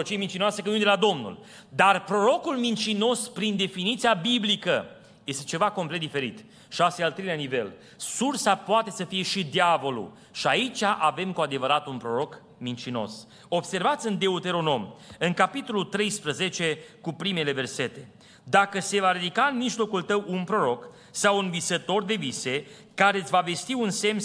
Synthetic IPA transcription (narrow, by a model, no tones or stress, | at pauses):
ot͡ʃiemint͡ʃinoasekənund̪elad̪o̞mnṵl | d̪arpɾo̞ɾo̞kulmint͡ʃino̞spɾind̪e̞finit̪sijabiblikə | je̞st̪e̞t͡ʃe̞vako̞mplet̪̚d̪ife̞ɾit̪ | ʃiasealt̪ɾeleanive̞̰l | sursapoat̪e̞səfije̞ʃid̪iavo̞lṵ | ʃiait͡ʃʲaʔave̞mkuad̪e̞vəɾat̪unpɾo̞ɾo̞k | mint͡ʃino̞̰s | o̞bse̞rvat̪sʲɨnd̪e̞ut̪e̞ɾo̞no̞mɨŋkapit̪o̞lult̪ɾe̞jspɾəze̞t͡ʃe̞kupɾime̞le̞ve̞rse̞t̪e̞ | d̪akəse̞vaɾid̪ikaɨnmiʒlo̞kult̪əwunpɾo̞ɾo̞k | sawunvisət̪o̞rd̪e̞vise̞ | kaɾe̞t̪sʲvave̞st̪iunse̞m